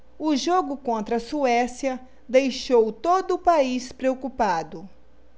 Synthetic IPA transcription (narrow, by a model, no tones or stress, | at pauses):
ʊʒoɡʊkõnt̪ɾɐsuɛsiɐ | d̪ejʃowt̪od̪ʊpaispɾeokupad̪ʊ